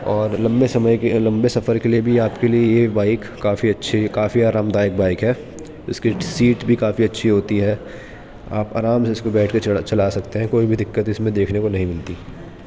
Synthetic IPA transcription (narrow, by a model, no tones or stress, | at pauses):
ɔːɾlɐ̃mbesɐməjlɐ̃mbesɐfəɾkeliebʱiaːpkeliejebaːɪkːaːfiɐtːʃʰikaːfiaːɾaːmd̪aːjɪk̚baːɪkɦɛː | ɪskisiːʈbʱikaːfiɐtːʃʰiɦoːt̪iɦɛː | a̰ːpa̰ːɾaːmseɪskobɛːʈʰket͡ʃɐlaːsɐkt̪eɦɛ̃koːibʱid̪ɪkːət̪ɪsmẽd̪eːkʰnekonɐɦĩmɪlt̪iː